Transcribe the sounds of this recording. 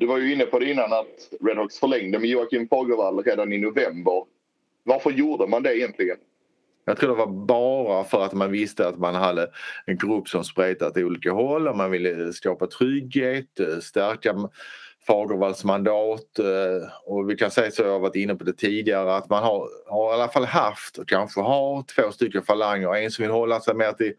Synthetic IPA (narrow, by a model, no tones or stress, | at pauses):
d̪ɵvaɾjɵɪnːəpʰɔd̪ɛɪnːanat̪ɾɛd̪hɔksfœɭɛŋd̪əmɛjuːakʰɪmfɑːɡəɾvalːɾeːd̪anɪnʊvɛmbəɾ | vaɾfəɾjuːɖəmand̪ɛɪjɛnt̪lɪɡən | jɑːɡt̪ʰɾuːd̪ɛvabɑːɾafœɾat̪manvɪst̪əat̪manɦad̪ːəɛnɡɾɵpːsɔmspɾeːt̪at̪ɪuːliːkaɦɔlːɔmmanvɪlːəskɑːpat̪ʰɾʏɡheːt̪st̪æɾkafɑːɡɔvald̪smand̪ɑːt̪ | ɔvɪkʰansɛjsɔvɪhaɾvaʈɪnːəpʰɔd̪ɛt̪ʰiːd̪ɪaɾəat̪manhaɾhaɾalafalːɦaft̪ɔkʰanɧəɦaɾt̪ʰv̥oːst̪ʏkːənfalaŋːəɾɛnsɔmvɪlːəhɔlːasɛjmeːt̪ʰɪl